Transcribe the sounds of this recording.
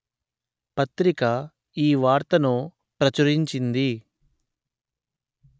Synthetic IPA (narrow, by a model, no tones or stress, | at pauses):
pɐt̪ɾikɐ | iːʋaːɾt̪ɐnoː | pɾɐt͡ʃuɾiɲt͡ʃind̪i